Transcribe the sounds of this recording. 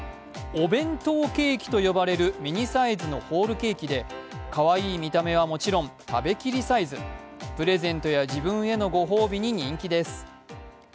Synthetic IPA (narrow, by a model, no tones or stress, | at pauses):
obẽ̞nt̪o̞ːke̞ːkʲi̥t̪o̞jo̞baɾe̞ɾɯ̟mʲiɲ̟isaizɨno̞ho̞ːɾɯ̟ke̞ːkʲid̪e̞kaβaiːmʲit̪ame̞β̞amo̞t͡ɕiɾõ̞nt̪abe̞kʲiɾʲisaizɨpɯ̟ɾe̞zẽ̞nt̪o̞jaʑibɯ̟̃ɰ̃e̞no̞ɡo̞ɦo̞ːbʲiɲ̟iɲ̟ĩŋkʲid̪e̞sɨ̥